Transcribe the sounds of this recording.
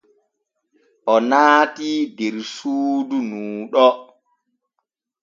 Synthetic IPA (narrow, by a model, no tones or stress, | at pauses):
ʔɔnaːtidɛɾsuːdunuːɗɔ